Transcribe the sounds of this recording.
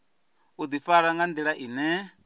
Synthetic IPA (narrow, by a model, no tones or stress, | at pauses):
ud̪ifaɺaŋɡand̪iɺaʔinɛ